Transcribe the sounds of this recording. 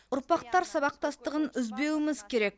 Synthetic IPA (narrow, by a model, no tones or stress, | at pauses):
ʊɾpɑqt̪ɑɾsɑβɑq̚t̪ɑst̪əʁənʏzbe̞wɪmɪzkʲʰe̞ɾe̞k̚